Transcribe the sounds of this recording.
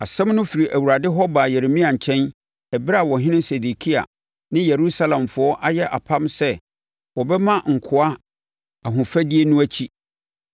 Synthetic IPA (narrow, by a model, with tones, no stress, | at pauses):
a˨sɛ̃˦mnʊ̃˦fi˨ɾi˨ʔæ˨wu˨ɾa˨dɪ˦ɦɔ˦ba˨jɛ˨ɾe˨mĩ˦a˨ɲ̩˨t͡ɕʰɛ̃˦n | ɛ˨bɪ˦ɾa˦˨wɔ˨ɦɪ̃˦nɪ̃˦se˨du˨kʰi˦a̰˨ | nɪ̃˦je˨ɾu˦sa˦lã˨mfʊ˨ɔ˦ʔa˦jɛ˦ʔa̰˨pʰã˦msɛ˦ | wɔ˨bɛ˦mã˦ŋ̩˨kʰʊ˦a˦ | a˨ɦʊ̃˨fæ˦di˦e˦nũ˦æ˦t͡ɕʰi˦